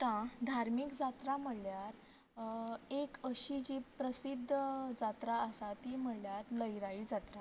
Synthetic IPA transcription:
t̪ãd̪ʱaɾmikd͡zat̪ɾam̤əɽljaɾ | ekəɕid͡ʑipɾəsid̪ʱːd͡zat̪ɾaəsat̪iːm̤əɽljat̪ləjɾaiːd͡zat̪ɾa

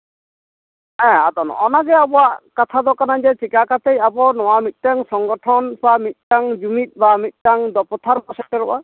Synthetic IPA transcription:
ɛ̃at̪ɔn̰ɔnaɡɛabɔwaʔkat̪ʰad̪ɔkanad͡ʒɛt͡ʃikakat̪ejabɔnɔwamit̪̚ˀtaŋsɔŋɡɔʈʰɔnbamit̪̚ˀtaŋd͡ʒumit̪̚bamit̪̚ˀtaŋd̪ɔpɔt̪ʰaɾpɔsɛk̚ʈɔɾɔʔa

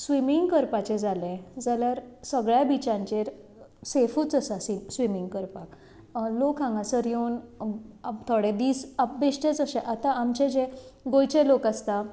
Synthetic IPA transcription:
sʋimiŋɡkəɾpat͡ɕɛ̃d͡zalẽd͡zaljaɾsəɡɭjabit͡ɕãɲt͡ɕeɾsefuːt͡səsasisʋimiŋɡkəɾpak | lokãŋɡãsəɾjonat̪ʰɔɽẽd̪iːsabeɕʈẽt͡səɕɛ̃ʔat̪ãamt͡ɕed͡ʑẽɡojt͡ɕẽlokast̪a

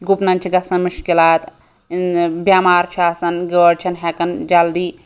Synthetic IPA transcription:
ɡupnɐnt͡ʃʰiɡɐsɐnmuʃkilaːt̪ | bjaːmaːɾt͡ʃʰiaːsɐnɡəːɽt͡ʃʰɐnɦɛkɐnd͡ʒɐld̪iː

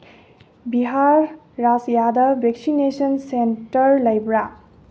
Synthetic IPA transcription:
biɦaɾː | asjadʌbeksinesɔnsentʌɾlʌjbɾa

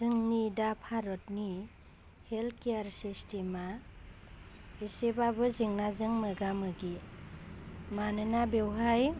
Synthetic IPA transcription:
zɯŋnidapʰaɾɔt̚ni | helkejaɾsistima | isebabɯzɯŋnazɯŋmɯɡamɯɡi | manɯnabewɦaj

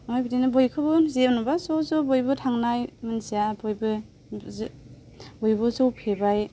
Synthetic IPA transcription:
ajbidinɯbojkʰɯbɯzenubasowsobojbɯtʰaŋnajmɯnsijabojbɯ | z | bojbɯsowpʰebaj

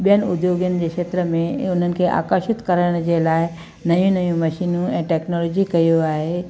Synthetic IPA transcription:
ɓijənɪʊd̪joːɡjənɪ̆d͡ʑeːkʃeːt̪ɾəmẽʊn̤ənɪ̆kʰeʔa̰ːkəɾʃɪt̪kɐɾəɽ̃d͡ʑelaːɪ | nɐjũnɐjũmɐʃiːnũɛ̃ːʈɛːknɔlɔːd͡ʑikɐjoaːɦe

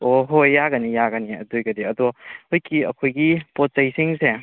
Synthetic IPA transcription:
oɦojːaɡɐnijaɡɐniɐ̰dojɡɐdiɐdɔojkiɐ̰kʰojɡipot̚sɐjsiŋse

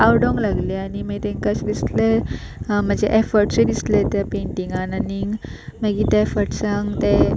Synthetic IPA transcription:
awɖɔ̃ŋɡlaɡleaɽ̃imət̪ẽŋkasd̪isle | m̤əd͡ʑeʔefəɾʈsed̪islet̪japeɳʈiŋɡananiŋɡməɡit̪eefəɾʈsaŋɡt̪e

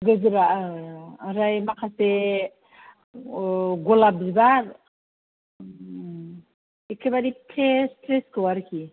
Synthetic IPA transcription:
ɡəzɾa | ɾajmakʰase | ɡolap̚zbaɾ | ekʰːebadipʰestɾeskəwaɾkʰi

